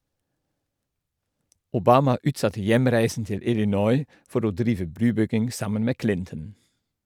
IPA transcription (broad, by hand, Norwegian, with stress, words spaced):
ʊˈbɑːmɑ ˈʉːtˌsɑtə ˈjæmɾæɪsn̩ ˈtɪl ɪlɪˈnɔʏ ˈfɔɾ ˈoː ˈdɾiːʋə ˈbɾʉːˌbʏɡɪŋ ˈsɑmən ˈmeː ˈklɪntən